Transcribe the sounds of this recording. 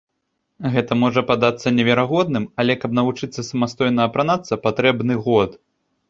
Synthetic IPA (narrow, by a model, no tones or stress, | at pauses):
ɣɛt̪ɐmɔʐɐpad̪at̪sːɐnʲɛvʲɛɾaɣɔd̪̚nɨmɐlʲɛkɐb̚nɐvut͡ʂɨt̪sːɐsɐmast̪ɔjnɐɐpɾanat̪sɐpat̪ɾɛbnɨɣɔt̪